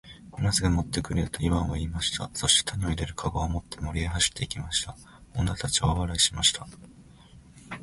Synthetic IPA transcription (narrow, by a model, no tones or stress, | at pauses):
nazɨɡamo̞t̪ːe̞kɯ̟ɾeɯ̟t̪o̞iβãβaiːmaɕi̥t̪ʰa̰so̞ɕi̥t̪e̥t̪ʰaɲ̟io̞iɾe̞ɾɯ̟kʰaɡoːmo̞t̪ːe̞mo̞ɾʲieɦaɕi̥t̪ːe̞ikʲimaɕi̥t̪a | o̞nːat̪at͡ɕiβaβaɾaiɕimaɕi̥t̪ʰa